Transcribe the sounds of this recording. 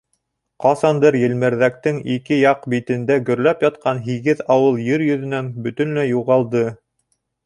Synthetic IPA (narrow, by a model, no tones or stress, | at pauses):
qɑsɑnd̪ɤɾjɘ̆lmɘ̆ɾðæk̚t̪ɘŋikɘjɑqbit̪ɘ̆nd̪æɡɵ̆ɾlæpjɑt̪qʰɑnɦiɡɘðɑwɤlˠjɘɾjɵ̆ðɘ̆næŋbɵ̆t̪ɵ̆nlæjuʁɑlˠd̪ɤ